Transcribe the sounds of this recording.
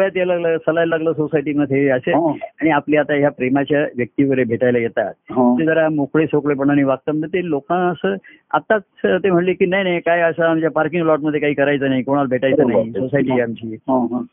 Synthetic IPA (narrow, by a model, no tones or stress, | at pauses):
jat̪jaləɡləːsəlajlaɡləːsosajʈiːmət̪eəseaɽ̃iapleat̪ajapɾemat͡ɕjaʋjək̚t̪iːʋəɾebʱeʈajlajet̪a̰t̪̚ɦt̪ed͡zəɾamokɭesokɭepəɳ̃aniʋak̚t̪əmənʱet̪elokãəsə | a̰t̪at͡st̪em̤əʈlekiːnaɦinajkajəsaamt͡ɕjapaɾkiŋɡlɔʈ̚məd̪ʱːjekaɦiːkəɾajt͡səːnaɦikoɽ̃albʱeʈajt͡səːnaɦisosajʈiamt͡ɕiːɦɦ